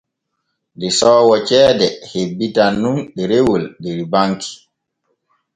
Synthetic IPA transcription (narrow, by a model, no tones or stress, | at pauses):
dɛsɔːwɔt͡ʃɛːdɛhebːitannːunɗɛɾewoldɛɾbaŋki̥